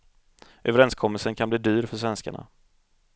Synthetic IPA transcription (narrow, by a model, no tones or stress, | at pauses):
ʔøːvəɾɛnskʰɔmːəlsənkʰanbliːd̪yːɾfœʂvɛnska̰ɳa̰